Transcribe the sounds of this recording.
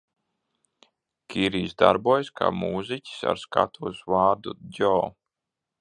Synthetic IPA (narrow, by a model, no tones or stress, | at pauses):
kʲiɾiːzd̪a̰ɾbuɔjskʰa̰ːmuːzicʲi̥sa̰ɾska̰t̪ʰuɔsvaːɾd̪ud̪ʲɔː